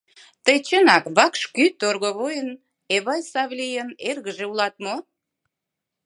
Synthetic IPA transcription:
t̪əjt͡ɕənɑkβɑkʃkyt̪orɣoβojən | eβɑjsɑβlʲijənerɣəʒeulɑt̪̚mo

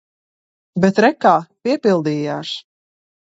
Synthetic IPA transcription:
bɛt̪ɾɛkaːpiɛpilˠd̪iːjaːs

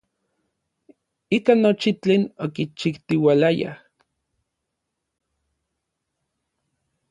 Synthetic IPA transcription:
ikanot͡ʃit͡ɬeːnokit͡ʃikt̪iwalaja̰

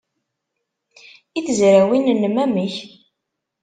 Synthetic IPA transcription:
iθəzɾæwinnːmæməç

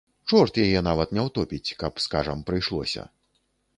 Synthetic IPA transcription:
t͡ʂɔrt̪jajɛnavɐt̪nʲɛwt̪ɔpʲit͡sʲkɐpskaʐɐmpɾɨjʂlˠɔ̰sʲɐ̰

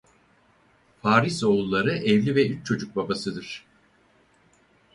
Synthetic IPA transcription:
faːɾiso̞ulˠːaɾɯʔɛvlʲivɛyt͡ʃ̚t͡ʃʰo̞d͡ʒuk̚babasɯd̪ɯɾ̥

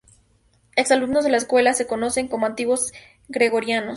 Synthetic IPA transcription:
eksalumnozðe̞laeskwe̞lase̞ko̞no̞se̞ŋkomoant̪iɣwo̞z | ɡɾe̞ɣo̞ɾjanos

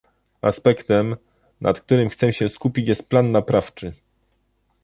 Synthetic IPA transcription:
a̰spɛkt̪ɛm | nʔa̰t̪k̚t̪uɾɘmxt̪sɛmɕɛskupʲit͡ɕjɛst̪̚planːapɾaft͡ʂɘ

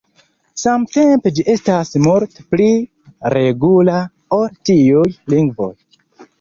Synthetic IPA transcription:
samte̞mpe̞d͡ʒiʔe̞stasmoɾtpli | ɾe̞ɡula | oltiujliŋɡvo̰j

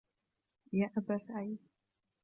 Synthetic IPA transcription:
jaʔabasʕaji

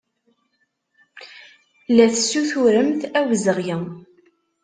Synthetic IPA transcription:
læθsːuθʊɾəmθæwəzəʁjə

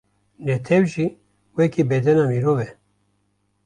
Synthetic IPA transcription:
net̪ʰewʒi | wekibed̪ɛnamiɾovɛ

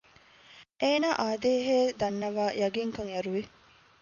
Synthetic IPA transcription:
ʔeːnaːʔaːd̪eːɦeːd̪ɐnːɐʋaːjɐɡiŋkɐŋjɐɾuʋi

